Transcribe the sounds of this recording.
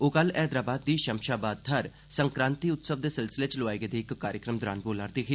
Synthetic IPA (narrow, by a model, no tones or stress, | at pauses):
oːkəlɛːd̪ɾaːbaːd̪̚ːiːʃəmʃaːbaːd̪̚t̪ʰəɾ | səŋkɾãːnt̪iːʊt̪səʋd̪eːsɪlsɪleːt͡ʃloʋaːeɡeːd̪eːɪkːaːɾjəkɾəmd̪ʊɾa̰ːnɡoːlaːɾd̪eːkʰeː